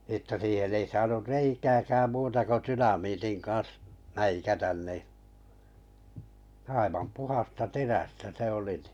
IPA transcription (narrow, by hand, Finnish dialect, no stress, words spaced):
ə̆tːæ siːhen ei sɑːnur reikæːkæːm muːtɑ ko tynɑmiːtin kɑn̞s mæikætæn ni ɑiʋɑm puhɑstɑ teræstæ se oli ni̥